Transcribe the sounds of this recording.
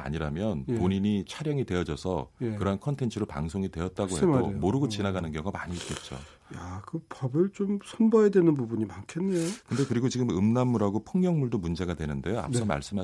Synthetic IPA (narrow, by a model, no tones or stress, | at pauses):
a̰ɲiɾamjʌnpoɲiɲit͡ɕʰaɾjʌŋite̞ʌd͡ʑʌsʰʌkɯɾʌɦankʰʌntʰe̞nt͡ɕʰɯɾopa̰ŋsʰoŋitwe̞ʌt̚t͈aɡoɦedomoɾɯɡot͡ɕinaɡanɯnɡjʌŋamaɲiːt̚k͈et̚t͡ɕ͈o̰ | jakɯpʌbɯɭt͡ɕomsʰʌnbʌjedwenɯnbubuɲimankʰenːejokɯnde̞kɯɾiɡot͡ɕiɡɯmɯmnamːuɾɦaɡopʰɯŋɲjʌŋmuɭdomund͡ʑe̞ɡadwe̞nɯnde̞joa̰p̚s͈ʌma̰ɭs͈ɯmɦa